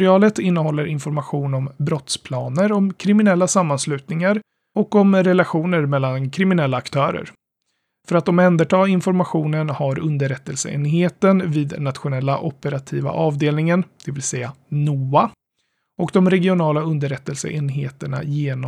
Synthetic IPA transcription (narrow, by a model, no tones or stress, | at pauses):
ɾɪɑːlət̪ɪnːəɦɔlːəɾʔɪnfɔɾmaɧuːnɔmbɾɔt̪spʰlɑːnəɾɔmkʰɾɪmɪnɛlːasamːanslʉ̟ːt̪nɪŋaɾ | ɔkːɔmɾɛlaɧuːnəɾmɛlːankʰɾɪmɪnɛlːaːkt̪ʰœːɾə̰ɾ | fœɾat̪̚d̪ɔmɛnd̪əʈʰɑːɪnfɔɾmaɧuːnənhaɾɵnd̪əɾɛt̪ːəlsə̰ḛːnɦeːt̪ənviːd̪nat̪ɧʊnɛlːaʔɔpːəɾat̪ʰiːva̰ʔɑːvd̪eːlnɪŋənd̪̥ɛvɪlsɛjːanuːa | ɔkd̪ɔmɾɛɡɪʊnɑːlaɵnd̪əɾɛt̪ːəlsə̰ʔeːnɦeːt̪əɳa̰jeːnɔ